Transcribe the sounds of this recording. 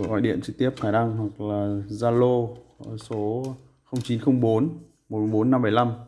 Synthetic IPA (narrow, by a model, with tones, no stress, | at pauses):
ʔa̰˧˨ɗḭ˧˨ənt͡ɕɨ˧k̚t̪i˦˥əp̚xaː˧˩jna˧ŋɦwa˨˩k̚laː˨˩zaː˧lo˧˨˦so˨˦ | xə˧wŋ͡mt͡ɕi˨˦nxə˧wŋ͡mɓo˨˦n | mo˨˩t̚m˧˩ɓo˨˦nːa˧mɓə˧˩jla˧m